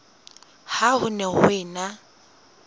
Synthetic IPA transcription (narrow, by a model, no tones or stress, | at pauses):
haɦʊnɛɦʊ̰ɪːna